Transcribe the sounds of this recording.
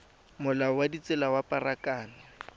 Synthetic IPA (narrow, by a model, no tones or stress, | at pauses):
mʊlaɔwadit͡sʼɪlawapʼarakaːnɪ